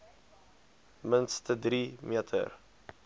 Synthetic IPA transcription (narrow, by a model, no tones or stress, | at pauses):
mənst̪əd̪ɾiːmjɛt̪ʰə̰ɾ